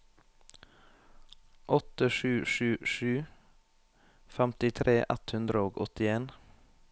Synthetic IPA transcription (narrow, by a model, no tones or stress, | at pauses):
ʔɔt̪əʃʉːʃʉːʃʉː | fɛmt̪ɪt̪ʰɾeːʔɛt̪hʉnd̪ɾəoːɡɔ̰t̪ɪeːn